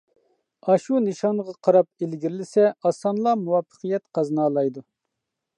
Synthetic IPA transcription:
ɑʃunɨʃɑnʁɑqʰɑɾɑp̚elɡʲiɾlɪsɛɑsɑnlˠɑmuwɑfʰːə̥qʰijɛt̪qʰɑznɑːlˠɑjd̪u

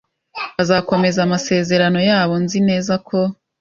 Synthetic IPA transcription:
βazaːko̞me̞zamase̞ːze̞ɾano̞jaːβo̞nzine̞ːzakʰo̞

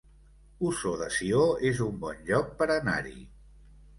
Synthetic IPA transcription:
usoðəsioezumbɔnʎɔk̚pəɾəna̰ɾḭ

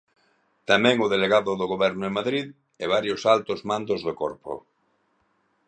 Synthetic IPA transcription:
t̪amɛ̃ŋʊðeleɣaðʊðoɣoβɛɾnʊemaðɾið | ɛβ̞aɾjosalt̪ozmãnd̪ozðokɔɾpo̰

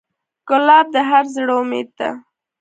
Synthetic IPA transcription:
kʊlɑb̚d̪əɦaɾzɽomḛd̪̚t̪a̰

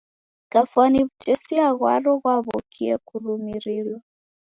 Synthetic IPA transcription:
kafwaniβut͡ʃɛsiaɣwaɾɔɣwaβɔkʰiɛkuɾumiɾilwa

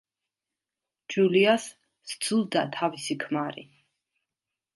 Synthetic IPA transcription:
d͡ʒuliasː | d̪zulˠd̪at̪ʰavisikʰmaɾḭ

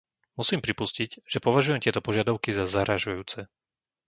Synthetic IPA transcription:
musiːmpɾipusciɟʒ̥ɛpɔʋaʒujɛmt̪ɪɛt̪ɔpɔʒɪad̪aʊkizazaɾaʒujuːt͡sɛ

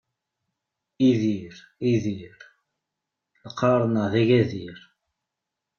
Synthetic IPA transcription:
iðiɾ | iðiɾ | ləqːɑɾˤnəðæʝæðiɾ

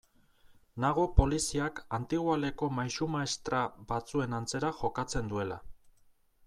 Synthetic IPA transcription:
naɣ̞opo̞lisiakant̪iɣwale̞ko̞majsumaest̪ɾaβat͡sue̞nant͡se̞ɾaʝo̞kat͡se̞nd̪ue̞la̰

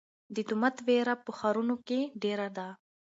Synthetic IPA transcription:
d̪it̪umat̪ʋeɾapəxaɾunokeɖeɾad̪a

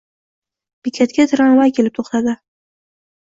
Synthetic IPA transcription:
pikʲʰat̪̚kʲat̪ʰɪɾanvajkʲʰe̞lɪp̚t̪ʰoχt̪ʰad̪ɪ

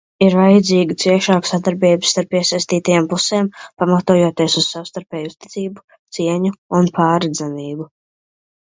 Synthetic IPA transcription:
iɾvajd̪ziːɡit̪siɛʃaːksad̪aɾbɛːbsːt̪aɾpiɛsajst̪iːt̪ajampusɛːmpamat̪uːjoɔt̪iɛsuz̥sawst̪aɾpɛːjuz̥t̪i̥t̪siːbu̥ | t̪siɛɲuunpaːɾɛd̪zaniːbu

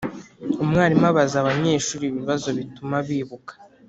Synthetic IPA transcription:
umŋaːɾimaβazaβaɲe̞ːʃuːɾiβiβazo̞βitumaβiːβukḁ

